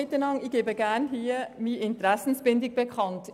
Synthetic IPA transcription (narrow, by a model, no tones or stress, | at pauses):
ɪtənɑŋɪçɡ̥eːbəɡɛɐnhiːɐmiɪntəʁɛsn̩sb̥ɪndɪɡ̚b̥əkʰɑnt